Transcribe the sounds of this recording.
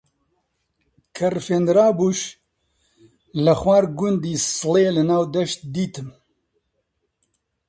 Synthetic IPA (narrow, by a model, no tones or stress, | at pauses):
kʰɐrfeːnd̪ɾaːbuːʃ | lɐxwaːɾɡʊnd̪iːsɨleːlɨnaːwd̪ɐʃt̪̚d̪iːt̪ɨm